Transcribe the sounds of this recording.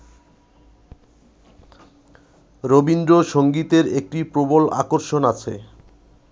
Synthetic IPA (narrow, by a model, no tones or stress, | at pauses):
ɾobind̪ɾoʃoŋɡit̪eɾek̚ʈipɾobola̰koɾʃonat͡ɕʰe